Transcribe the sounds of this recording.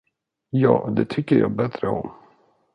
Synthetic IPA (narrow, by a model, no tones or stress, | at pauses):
jɑːd̪ɛt̪ʰʏkːəɾjɑːbɛt̪ɾəɔm